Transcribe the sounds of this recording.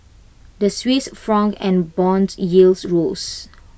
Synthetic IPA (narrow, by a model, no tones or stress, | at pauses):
dəswisfɹɔ̃ŋɛ̃nbɔ̃nsjilsɹols